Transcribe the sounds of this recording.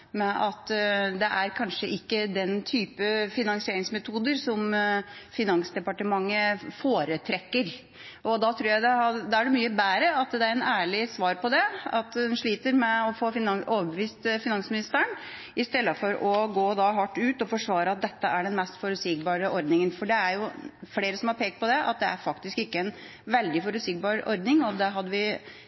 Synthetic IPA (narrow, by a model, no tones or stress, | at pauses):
mɛʔɑt̪d̪ɛʔæɾkʰɑnʂəʔɪkːəd̪ɛnt̪ʰyːpəfɪnɑŋsɪeːɾɪŋsmɛt̪ʰuːd̪əɾsɔmfɪnɑŋsd̪ɛpɑʈəmɑŋːəfoːɾət̪ʰɾɛkːəɾ | ʔɔd̪ɑt̪ʰɾuːɾjæɪd̪ɛɑd̪ɑæɖɛmyːəbæːɾəɑt̪d̪ɛæɾɛnæːɭɪsʋɑːɾpɔd̪ɛɑt̪d̪ɛnʂɭiːt̪əɾmɛɔfoːfɪnoːʋəbəʋiːst̪fɪnɑnsmɪnɪst̪əɳ | ɪst̪ɛlːəfɔɾɔɡoːd̪ɑɦɑʈːʉːt̪ɔfɔʂʋɑːɾəɑt̪̚d̪ɛt̪ːəʔæɖɛnmɛst̪fɔɾʉsɪkbɑːɾəʔɔɾd̪nɪŋənfɔɖɛæɾjʊfleːɾəsɔmhɑɾpʰeːk̚t̪pɔd̪ɛʔɑ̰t̪̚d̪ɛæ̰ɾfɑkt̪ɪskɪkːəɛn | ʋɛld̪ɪfɔɾʉt̪sɪk̚bɑːɾɔ̰ɾd̪nɪŋɔd̪ɛɦɑd̪ːəʋɪ